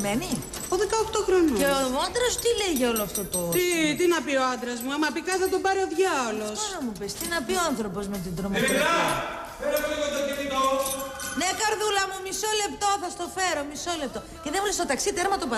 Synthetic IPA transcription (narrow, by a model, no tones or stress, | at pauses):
meni | poðekɐoxt̪oxɾonueoond̪ɾost̪ileʝeoloɐft̪ot̪oot̪it̪inɐpio̞ɐnd̪ɾɐzmuɐmːɐpikɐsɐt̪obɐɾioðʝɐolo̞sonomupest̪inɐpioanθɾo̞po̞zme̞t̪id̪ɾomo | enɐevɐt̪ot̪iit̪onekɐɾðulɐmumiso̞le̞pt̪o̞θɐst̪o̞fe̞ɾo̞miso̞le̞p̚t̪o̞ceðemulest̪o̞t̪ɐksit̪eɾmɐt̪opɐ